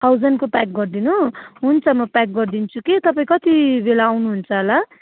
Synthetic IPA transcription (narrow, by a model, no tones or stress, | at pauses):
t̪ʰawd͡zʌnkopak̚ɡʌrd̪inuɦunt͡sʰʌmʌpak̚ɡʌrd̪int͡sʰukit̪ʌpaĩkʌt̪ibelaːwnuɦunt͡sʰʌɦʌla